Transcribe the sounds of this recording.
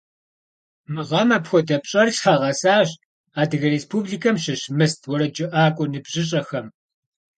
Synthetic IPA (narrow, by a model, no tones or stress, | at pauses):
mɨʁɐmɐpxʷɔdɐpɕʼɐrɬħaʁɐsaːɕ | aːdɨɣɐreːspʰuːbliːkʰɐmɕɪɕmɨstʰwɔɾɐd͡ʒɪʔaːkʷʼɔnɨbʑɪɕ̬ʼɐxɐm